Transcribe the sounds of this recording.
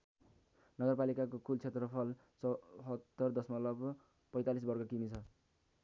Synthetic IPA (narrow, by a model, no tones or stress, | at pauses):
nʌɡʌrpalikakokult͡sʰet̪rʌpʰʌl | t͡sʌɦʌt̪ːʌrd̪ʌsmʌlʌb | pʌjt̪alis̬bʌrɡʰʌkimit͡sʰʌ